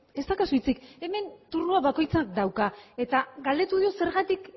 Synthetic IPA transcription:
e̞st̪akasujt͡sike̞me̞nt̪uɾnuaβako̞jt͡sakd̪awkae̞t̪aɣald̪e̞t̪uðio̞se̞ɾɣat̪ik

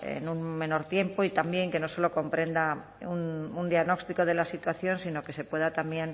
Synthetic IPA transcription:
ḛnunmẽ̞no̞ɾt̪je̞mpo̞it̪ambje̞ŋke̞no̞so̞lo̞ko̞mpɾe̞nd̪a | unund̪jaɣno̞kst̪iko̞ð̞e̞lasit̪waθjo̞nsino̞ke̞se̞pwe̞ð̞at̪ambje̞n

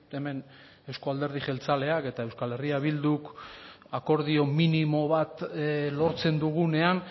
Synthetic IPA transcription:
e̞me̞n | e̞wsko̞ald̪e̞ɾð̞iʝe̞lt͡sale̞ake̞t̪ae̞wskale̞riaβild̪uk | ako̞ɾðio̞minimo̞βat̪lo̞ɾt͡se̞nd̪uɣ̞une̞an

